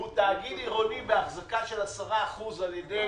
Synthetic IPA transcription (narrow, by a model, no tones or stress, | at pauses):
ut̪aːɡitiʁonibeaχzakaʃe̞lasaʁaːχuzaljed̪e